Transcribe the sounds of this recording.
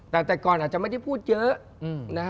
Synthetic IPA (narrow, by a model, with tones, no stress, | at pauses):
t̪aː˨˩t̪ɛː˨˩kɔː˨˩nʔaː˨˩tt͡ɕa˧˥mə˧˥˩jtʰa˧˩pʰuː˥˩t̪̚t͡ɕəː˨˦˥ | ʔna˨˦